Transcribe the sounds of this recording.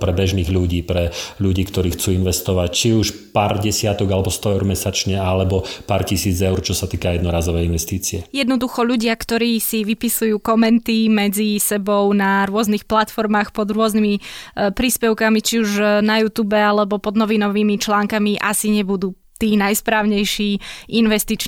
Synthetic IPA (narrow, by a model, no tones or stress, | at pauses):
pɾɛbɛʒniːɣʎuɟiːpɾɛʎuɟiːkt̪ɔɾiːxt͡suːinʋɛst̪ɔʋact͡ʃiuʃ | paːɾɟɛsɪat̪ɔɡalɛbɔst̪ɔɛʊɾmɛsat͡ʃɲɛalɛbɔpaːɾcisiːd͡zɛʊɾt͡ʃɔsat̪iːkajɛd̪nɔɾaːzɔʋɛjinʋɛst̪iːt͡siɛjɛd̪nɔd̪uxɔʎuɟɪakt̪ɔɾiːsiʋipisujuːkɔmɛnt̪imɛd͡zisɛbɔʊnaɾʊɔznixplat̪fɔɾmaːxpɔd̪ɾʊɔznimipɾiːspɛʊkamit͡ʃiuʒnajuːt̪uːbɛalɛbɔpɔd̪nɔʋinɔʋiːmit͡ʃlaːŋkamiʔasiɲɛbud̪uː | t̪iːnajspɾaːʊɲɛjʃiːinʋɛst̪it͡ʃ